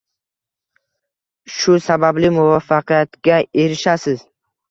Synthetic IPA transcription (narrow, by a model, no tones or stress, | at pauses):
ʃʊsabablɪmʊvɒfːɑqʰɨjat̪ɡʲae̞ɾɪʃasɪz